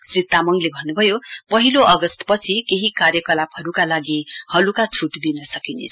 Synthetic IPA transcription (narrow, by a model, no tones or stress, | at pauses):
srit̪amʌŋlebʱʌnːubʱʌjopʌɦiloʔʌɡʌst̪pʌt͡sʰikeɦikarjʌkʌlapɦʌɾukalaɡihʌlukat͡sʰuʈd̪inʌsʌkinḛt͡sʰʌ